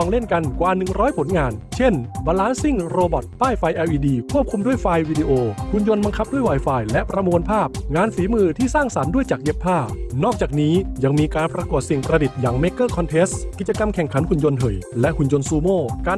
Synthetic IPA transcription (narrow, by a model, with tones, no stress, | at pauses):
ɔ˧ŋle˥˩nka˧nkwaː˨˧nɯ˨˩ŋɾɔː˦˥jpʰo˩˦nŋaː˧nt͡ɕʰe˥˩nba˧laː˦˥nsi˥˩ŋɾoː˧bɔ˨˩t̪̚ːaː˥˩jfa˧jʔɛː˧wʔiː˧diː˧kʰu˥˩əp̚kʰu˧mdu˥˩əjfaː˧jwiː˧diː˧ʔoː˧hu˧njo˧nba˧ŋkʰa˦˥p̚du˥˩əjwaː˨˩jfaː˧jlɛ˦˥ʔpɾa˧mu˧npʰaː˥˩p̚ŋaː˧nsiː˩˦mɯː˧t̪ʰiː˥˩saː˥˩ŋsa˩˦ndu˥˩əjt͡ɕaː˨˩k̚je˦˥pʰːaː˥˩nɔː˥˩k̚t͡ɕaː˨˩k̚niː˦˥ja˧ŋmiː˧kaː˧npɾa˧ku˨˩t̪̚si˨˩ŋpɾa˧di˨˩t̪̚jaː˨˩ŋme˦˥kːɤː˥˩kʰɔ˧nt̪ʰeː˦˥skːi˨˩t͡ɕa˧ka˧mkʰɛ˨˩ŋkʰa˩˦nhu˨˧njo˧nɦɤ˨˩jlɛ˦˥ʔhu˨˧njo˧nsuː˧moː˥˩kaː˧